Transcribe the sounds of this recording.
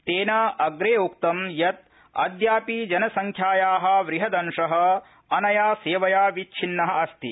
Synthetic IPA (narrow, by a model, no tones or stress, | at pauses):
t̪eːnɐɐɡɾeːukt̪ɐmjɐt̪̚ | ɐ̰d̪jaːpid͡ʒɐnɐsɐŋkʰjaːjaːɦɐ̆ʋɾiɦɐd̪ɐnʂɐɦɐ̆ | ɐnɐjaːseːʋɐjaːʋit͡ʃʰinːɐɦɐ̆ɐst̪i